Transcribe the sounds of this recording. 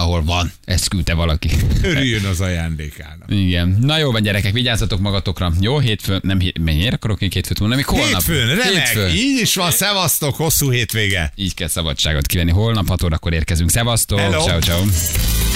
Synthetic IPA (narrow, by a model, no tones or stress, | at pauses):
ɒɦo̞lvɒnɛst̪kylt̪ɛvɒlɒkiøɾyjønɒzɒjaːnd̪eːka̰ːnɒ̰iɡɛnnɒjoːlvɒɲɟɛɾɛkɛkʋiɟaːzɒt̪o̞kmɒɡɒt̪o̞krɒjoːɦeːt̪fønɛmɦemɛmeːɾɒkɒɾokmeːkheːt̪føːt̪onnmiːkholenːɒpføːnɾɛeːɛt̪føːiːɟiʃʋɒnsɛvɒst̪okho̞sːuːɦeːt̪ʋeːɡɛiːckɛlsɒbɒt͡ʃːaːɡo̞̰t̪kiʋɛnːiɦo̞lnɒphɒt̪oːɾɒkːo̞ɾeːrkɛzyŋksɛvɒst̪olot͡ʃːɒwt͡ʃɒu